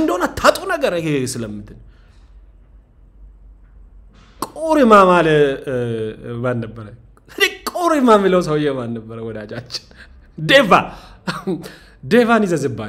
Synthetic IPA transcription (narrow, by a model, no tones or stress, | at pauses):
nd̪əhonat̪ʰːat̪ʼunəɡəɾkesɨləmːɨt̪ʰɨn | kʼoɾimamalə | mannəbːəɾə | ɨdikʼoɾimamɨləws̬əwjːɛmanːəbːəɾəwɔd̪ad͡ʒat͡ʃːɪ̥n | d̪eva̰ | d̪evanizəzɨbːa